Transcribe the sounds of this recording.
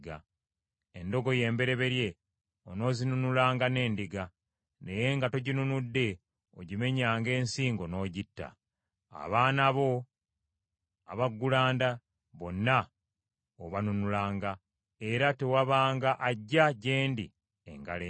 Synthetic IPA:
ɡa | endo̞ɡo̞je̞ːmbe̞ɾe̞βe̞ɾje̞ | ono̞ːzinunulaːŋɡane̞ːndiɡa | ne̞je̞ŋɡato̞ɟinunudːe̞ | oɟime̞ɲaːŋɡe̞ːnsiːŋɡo̞no̞ːɟitːa̰ | a̰βaːnaβo̞ | aβaɡːulaːnda | βo̞nːa | oβanunulaːŋɡa | e̞ɾate̞waβaːŋɡaʔaɟːaɟe̞ːndi | ḛŋɡale

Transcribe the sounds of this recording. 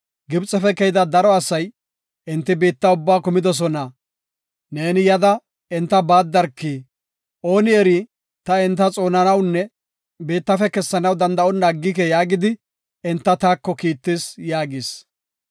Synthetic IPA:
ɡɪbt͡sʼːɛfɛkɛjɪd̪ɐd̪ɐɾɔɐsɐj | ʔɪnt̪ːɪbiːt̪ːɐʊbːaːkʊmɪd̪ɔs̬ɔnɐ | ne̞ːnɪjɐd̪ɐ | ɛnt̪ːɐbaːd̪ːɐɾkːiː | ʔo̞ːnɪɛɾi | t̪ɐɪnt̪ːɐt͡sʼo̞ːnɐnɐwnːɛ | biːt̪ːɐfɛkɛsːɐnɐwd̪ɐnd̪ɐʔɔnːaːɡːɪk̬ɛjaːɡɪd̪ɪ | ɛnt̪ːɐt̪aːkːɔkiːt̪ːɪsjaːɡɪs

